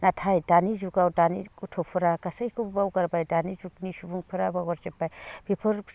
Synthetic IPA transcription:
natʰajdanizuɡawdaniutʰɔpʰuɾakasajkʰubbawɡaɾbajdanizuknisubuŋpʰɯɾabawaɾzepːajbʰipʰɯɾ

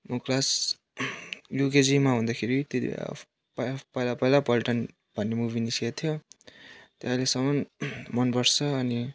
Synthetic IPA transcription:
mʌklas | juked͡zimaɦũnd̪akʰeɾit̪et̪ḭb̰ | pʌpʌjlapʌjlapʌlʈʌn | bʱʌnːemubinisiat̪ʰjo | t̪eɦãlesʌmʌnmʌnpʌɾt͡sʰʌːni

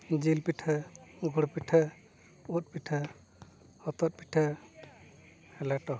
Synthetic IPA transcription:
d͡ʒilpiʈʰaɡʱuɽpiʈʰa | ut̪̚piʈʰa | hɔt̪ɔt̪̚piʈʰa | hɛlɛʈɔ

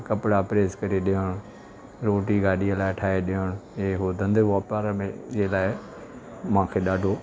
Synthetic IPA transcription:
kɐpɽapɾeːskɐɾeɗɪəɽ̃ | ɾoːʈiɡaːɗiəlaːɪʈʰaːeɗɪəɽ̃eɦod̪ʱɐ̃nd̪əʋɔːpaːɾəmẽd͡ʑeːlaːɪ | mãːkʰeɗaːɖʱoː

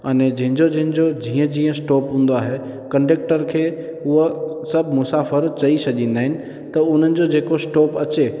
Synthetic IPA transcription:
ɐnɛd͡ʑɐ̃ɦɪ̃ɲd͡ʑod͡ʑɐ̃ɦɪ̃ɲ̆d͡ʑod͡ʑĩːə̃d͡ʑĩːə̃sʈɔːpɦũːn̆d̪oaːɦe | kɐ̃ɳɖeːk̚ʈəɾkʰeː | ʊɦosɐbʱmʊsaːfəɾt͡ɕɐisɐʄĩːnd̪aːɦɪnɪ̆ | t̪ɐʊn̤ənɪ̆d͡ʑod͡ʑeːkosʈɔːpɐt͡ɕe

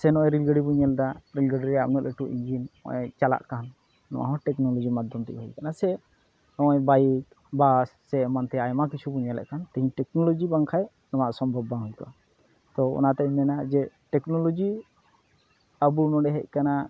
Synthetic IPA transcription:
sɛnɔʔɛɾilɡəɖibuɲɛld̪aɾilɡəɖiɾɛaʔnɔɛʈuʔiɲd͡ʒinɔ̰ʔɛt͡ʃala̰ʔkanː | ɔ̰̃wa̰ɦɔ̃ʈɛknɔlɔd͡ʒimad̪ʱɔmt̪ɛ̰ʔɦɔjkanasɛ | nɔɔjbajik | basːɛmant̪ɛajmak̬it͡ʃʰubuɲɛlɛ̰ʔkant̪ɛɦĩʈɛknɔlɔd͡ʒibaŋkʰaj | nɔwaʔsɔmbʱɔbːaɦɔjkɔʔa | t̪ɔɔ̰nat̪ɛmɛnad͡ʒɛ | ʈɛknɔlɔd͡ʒi | əbunɔɖɛɦɛʔ̚kana

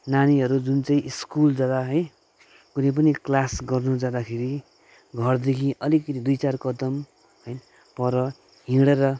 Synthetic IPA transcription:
naniɦʌɾud͡zunt͡saĩʔiskuld͡zad̪aɦʌj | kunʌ̃jp̬ʌniklasɡʌrnud͡zad̪akʰeɾi | ɡʱʌrd̪ekʰiʔʌlikʌt̪id̪ujt͡sarkʌd̪ʌm | ɦʌj | pʌɾʌ | ɦĩɽeɾʌ

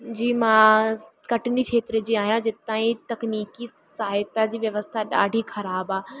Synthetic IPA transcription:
d͡ʑiːmãkɐʈɪniʃʰeːt̪ɾəd͡ʑiːaːɦijãd͡ʑɪt̪aːĩt̪ɐkniːkisaːɦɪt̪ad͡ʑiːʋjɐʋəst̪ʰaɗa̰ːɖʱixʰɐɾaːbaː

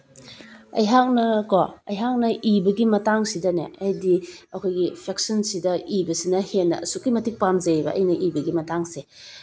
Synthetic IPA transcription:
ɐ̰jɦak̚nɐkɔɐjɦak̚nɐʔibɐɡimɐtaŋsidɐnḛʔajdiɐkʰojɡipʰek̚sɔnsidɐibɐsinɐhenːɐ̰sukːimɐtik̚pamzebɐ̰ʔɐ̰jnɐʔibɐɡimɐtaŋse

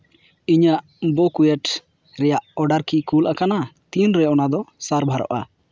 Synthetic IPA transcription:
iɲaʔ | bɔkujɛʈ | ɾɛjaʔɔɖaɾkikulʔakanat̪inɾɛɔnad̪ɔsaɾbʱaɾɔ̰ʔa̰

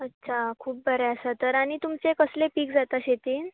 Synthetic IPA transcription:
ətːɕʰakʰuːp̚bʱəɾɛəsat̪əɾaɽ̃it̪umt͡sekəslepiːkd͡zat̪aɕet̪iːn

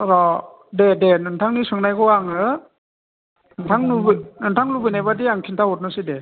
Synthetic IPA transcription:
ɾɔ | dedenɯntʰaŋnisɯŋnajɡɔaŋɯ | nɯntʰaŋnubnɯntʰaŋlubɯnajbadiaŋkʰintʰaɦɔt̚nɯside

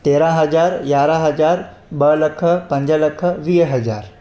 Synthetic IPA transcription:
t̪eːɾãɦɐd͡ʒaːɾjaːɾãɦɐd͡ʒaːɾ | bəlɐkʰəpɐ̃ɲd͡ʒəlɐkʰəʋiːɦɐd͡ʒaːɾ

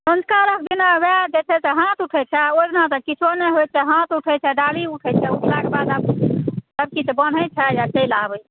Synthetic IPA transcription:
sə̃nskaɾək̚ʰd̪inabɛd͡ʒet͡ʃʰɛt̪ɔɦãt̪uʈʰɛt͡ʃʰɛoɾnat̪ɔkit͡ʃʰonɛɦojt͡ʃʰɛɦãt̪uʈʰɛt͡ʃʰɛɖaliuʈʰɛt͡ʃʰɛuʈʰlakebad̪absəb̚kit̪ɔbən̤ət͡ʃʰɛjakəjlabəj

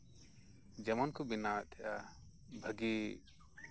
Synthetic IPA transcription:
d͡ʒɛmɔnkɔbinaʔt̪ʰɛʔa | bʱəɡi

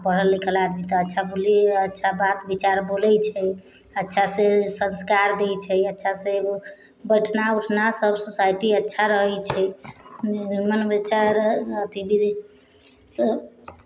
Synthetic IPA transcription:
pəɽəlːikəlad̪mit̪ɔətːʃʰaboliətːʃʰabat̪bit͡ʃaɾbolɛt͡ʃʰɛ | ətːʃʰasẽsənskaɾd̪ejt͡ʃʰɛətːʃʰasẽb | bəjʈʰnauʈʰnasəbsusajʈiətːʃʰaɾəɦɛt͡ʃʰɛ | nimənbet͡ʃʰaɾət̪ibid̪ | s

